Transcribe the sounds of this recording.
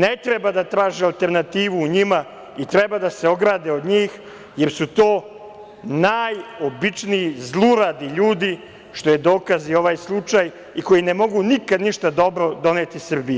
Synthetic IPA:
net̪ɾebad̪at̪ɾaːʒialˠt̪e̞ɾnat̪iːʋuːɲima | it̪ɾebad̪ase̞o̞ɡɾaːd̪eod̪ɲiːx | je̞ɾsut̪o̞ː | najo̞bit͡ʂniizlˠuɾad̪iʎuːd̪i | ʃt̪o̞jed̪o̞ːkazio̞ʋaːjslˠut͡ʂaj | iko̞jinemo̞ɡunikad̪niʃt̪ad̪o̞bɾo̞d̪o̞neːt̪isr̩bij

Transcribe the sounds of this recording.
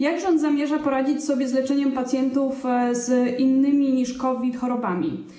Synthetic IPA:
jaɡʐɛɔnzamʲjɛʐapɔɾad͡ʑit͡ɕsɔbʲjɛzlɛt͡ʂɛɲɛmpat̪sʲjɛnt̪ufzinːɘmʲiɲiʂkɔvʲit̪xɔɾɔbamʲḭ

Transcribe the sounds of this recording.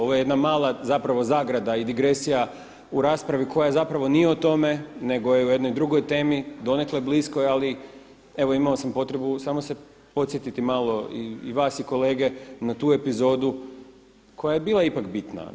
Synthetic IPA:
oʋojejed̪namaːlˠazapɾaʋo̞zaːɡɾad̪aid̪iɡɾe̞sija | uɾaːspɾaʋiko̞jajezapɾaʋo̞nijeot̪o̞me̞ne̞ɡo̞jeujed̪nojd̪ɾuɡo̞jt̪e̞ːmid̪o̞nekleblisko̞jali | e̞ʋo̞imaosampo̞t̪ɾe̞busaːmo̞se̞ | po̞t̪sje̞t̪it̪imaːlˠo̞ḭːʋaːsiko̞le̞ːɡe̞nat̪uːe̞pizo̞ːd̪u | kʰo̞jaje̞biːlˠaipakbit̪na̰

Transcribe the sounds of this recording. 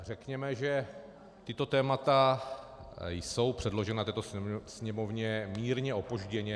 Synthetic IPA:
rɛkɲɛmɛʒɛ | t̪ɪt̪o̞t̪ɛːmat̪a | jso̞wpr̥ɛdlo̞ʒɛnat̪ɛːt̪osɲɛmo̞vɲɛmiːɾɲɛʔo̞poʒɟɛɲɛ

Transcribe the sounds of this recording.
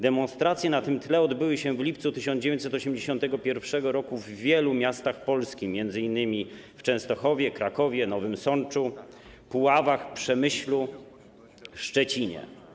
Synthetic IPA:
d̪ɛmɔ̃nst̪ɾat̪sjɛnat̪ɘmt̪lɛɔd̪bɘwɘɕɛvlʲip̚t̪sut̪ɘɕɔnd͡ʑevʲeɲtsɛt̪ɔɕɛmd͡ʑeɕɔ̃nt̪ɛɡɔpʲjɛɾfʂɛɡɔɾɔkuvːʲjɛlumʲjast̪axpɔlskʲimʲjɛnd̪zɘinːɘmʲift͡ʂɛ̃w̃st̪ɔxɔvʲjɛkɾakɔvʲjɛnɔvɘmsɔnt͡ʂu | puwavaxpʂɛmɘɕlu | ʂt͡ʂɛt͡ɕiɲɛ̰

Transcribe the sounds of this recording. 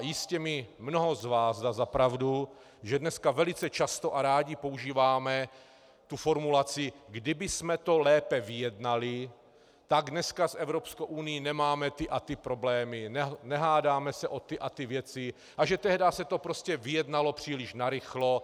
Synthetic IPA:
jɪscɛmɪmno̞ɦo̞zvaːzdazapɾavdu | ʒɛdnɛskavɛlɪt͡sɛt͡ʃast̪o̞ʔaɾaːɟɪpo̞uʒiːvaːmɛ | t̪ufo̞ɾmulat͡sɪɡdɪbɪsmɛt̪o̞lɛːpɛvɪjɛdnalɪ | t̪aɡdnɛskasɛvɾopskowʔunɪjinɛmaːmɛt̪ɪʔat̪ɪpɾo̞blɛːmɪnɛnɛɦaːdaːmɛsɛʔo̞t̪ɪʔat̪ɪvjɛt͡sɪ | ʔaʒɛt̪ɛɦdasɛt̪o̞pɾoscɛvɪjɛdnalo̞pr̥iːlɪʃnaɾɪxlo

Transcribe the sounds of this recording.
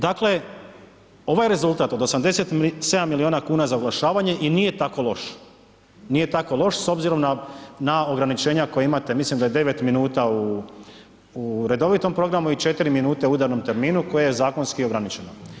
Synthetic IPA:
d̪akle̞ | o̞ʋajɾe̞zulˠt̪aːt̪o̞d̪o̞samd̪e̞se̞t̪se̞d̪amːilionakuːnazaoɡlaʃaːʋaɲe̞ʔiniːje̞t̪ako̞lˠo̞ʃ | niːje̞t̪ako̞lˠo̞ʃso̞bziɾo̞mnanao̞ɡɾanit͡ʃeːɲako̞jeimat̪e̞mislimd̪ajed̪e̞ʋe̞t̪minuːt̪au | uɾe̞d̪o̞ʋit̪o̞mpɾo̞ɡɾamuit͡ʃe̞t̪iɾiminuːt̪euud̪aɾno̞mt̪e̞ɾmiːnuko̞jejezaːko̞nskio̞ɡɾanit͡ʃe̞no

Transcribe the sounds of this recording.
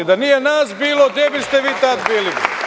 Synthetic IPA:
id̪anijenaːsbiːloɡd̪jebist̪eʋiːt̪ad̪biːli

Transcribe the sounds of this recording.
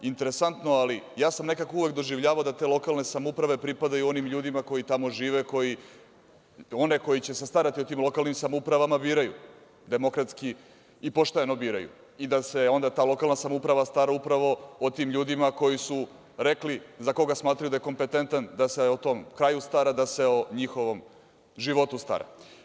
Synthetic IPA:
int̪e̞ɾesant̪noalijaːsamne̞kako̞uvʋe̞kd̪oʒiʋʎaːʋaod̪at̪e̞ːlˠo̞kalˠne̞samoupɾaʋe̞pɾipad̪ajuo̞nimʎuːd̪imako̞jit̪amo̞ʒiːʋe̞ko̞ji | o̞ne̞ko̞jit͡ɕe̞sest̪aɾat̪io̞t̪iːmlˠo̞kalˠnimsamoupɾaʋamabiːɾajṵ | d̪e̞mo̞kɾat̪ski | ipoʃt̪enobiːɾajṵ | id̪ase̞o̞nd̪at̪aːlo̞kalˠnasamoupɾaʋast̪aɾaupɾaʋo̞ot̪iːmʎuːd̪imako̞jisu | ɾeklizako̞ɡasmaːt̪ɾajud̪ajeko̞mpe̞t̪e̞nt̪and̪aseot̪o̞mkɾaːjust̪aɾad̪ase̞oɲixo̞ʋo̞m | ʒiʋo̞t̪ust̪a̰ɾa̰

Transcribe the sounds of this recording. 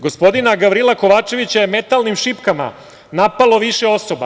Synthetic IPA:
ɡospo̞d̪inaɡaʋɾilˠako̞ʋaːt͡ʂe̞ʋit͡ɕajeme̞t̪alˠnimʃipkama̰ | napalo̞ʋiʃeo̞soba̰

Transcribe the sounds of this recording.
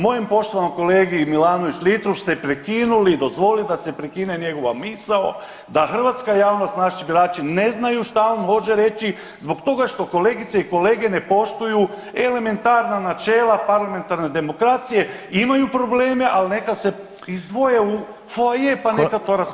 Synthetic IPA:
mo̞jimpo̞ʃt̪o̞ʋanomko̞leːɡimilaːno̞ʋit͡ʃlit̪ɾofst̪e̞pɾekinulid̪o̞zʋo̞lid̪ase̞pɾekine̞ɲe̞ɡo̞ʋamisao | d̪axr̩ʋat̪skajaːʋno̞st̪naʃibiɾaːt͡ʃine̞znajuʃt̪aonmo̞ʒeɾe̞t͡ʃi | zbo̞ɡt̪o̞ɡaʃt̪o̞ko̞le̞ːɡit̪seiko̞le̞ːɡe̞ne̞po̞ʃt̪uju | e̞le̞me̞nt̪aɾnanat͡ʃe̞ːlapaɾlame̞nt̪aɾne̞d̪e̞mo̞kɾat̪sije̞imajupɾo̞ble̞ːme̞ʔalne̞kase̞ | izd̪ʋo̞jeu | fojepankat̪oɾas

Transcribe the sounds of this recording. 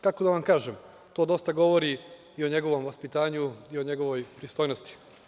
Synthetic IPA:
kako̞d̪aʋamkaːʒem | t̪o̞ːd̪o̞st̪aɡo̞ʋoɾi | io̞ɲe̞ɡo̞ʋo̞mʋaspit̪aːɲuio̞ɲe̞ɡoʋojpɾist̪ojnost̪i̥

